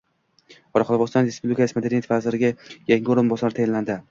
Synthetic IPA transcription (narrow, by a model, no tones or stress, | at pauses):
ɒɾɑqʰɒlˠbɒst̪ɒnɾespublikasɪmad̪eɾʲijat̪ʰvazɪɾɪɡʲajaŋʲʊɾɪnbɒsɒɾɪt̪ʰajanland̪ɪ